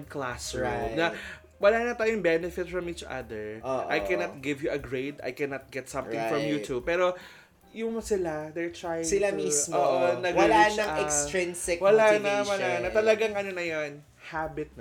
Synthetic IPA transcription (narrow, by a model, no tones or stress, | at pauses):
d̪klasɹnɐ | wɐlaːnɐt̪aːjʊŋbɛnɛfɪt̪fɹɐmiːt͡ʃɐ̰d̪ɛɹʔʔajkɛnɐt̪̚ɡɪvjuʔɐɡɹejd̪ɐ̰jkɛnɐt̪̚ɡɛt̪sɐ̃mt̪ɪ̃ŋfɹɐmjut̪ʰub̚pɛːɾo̞ | jʊŋsɪlad̪ɛɹt̪ɹajɪsɪlamismooːʔonɐɡwlanɐŋɛksɾɪnsɪkwɐlanɐwɐlanɐt̪ɐlɐɡaŋɐnonɐjon | habɪt̪̚nɐ